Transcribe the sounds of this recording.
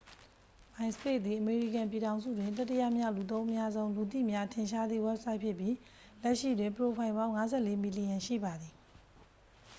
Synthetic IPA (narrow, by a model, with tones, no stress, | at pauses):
mã˨ɪ̃nsə̥pe˦˨d̪ði˨ʔəme˨ɹḭ˦˨kã˨mpji˨ɾã˨ʊ̃nzṵ˦˨dwɪ̃˨nt̪̬ɛ˦tːə˦ja̰˦˨mja̰˦˨lu˨t̪̬õ˦ʊ̃ʔəmja˦zõ˦ʊ̃lu˨t̪ḭ˦˨mja˦tʰɪ̃˨ʃa˦d̪ðḭ˦˨wɛ˦p̚sa˦ɪʔpʰjɪ˦ʔpji˦ | lɛ˦ʔʃḭ˦˨dwɪ̃˨mpəɹo˨pʰã˨ɪ̃mbã˦ʊ̃ŋa˦zɛ˦˨le˦mi˨li˨jã˨ʃḭ˦˨ba˨d̪ði˨